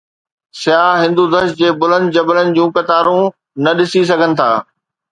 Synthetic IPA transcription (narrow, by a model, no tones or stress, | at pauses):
sɪjaːɦɪ̃nd̪ud̪əʃd͡ʑeːbʊlə̃nd̪̚d͡ʑɐbələnɪ̆d͡ʑũːkɐt̪aːɾũ | nɐɗɪsis̬ɐɡʱənɪ̆t̪ʰa̰ː